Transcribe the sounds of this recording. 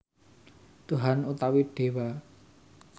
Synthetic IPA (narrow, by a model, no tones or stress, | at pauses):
t̪uɦanut̪awiɖ̥e̤wa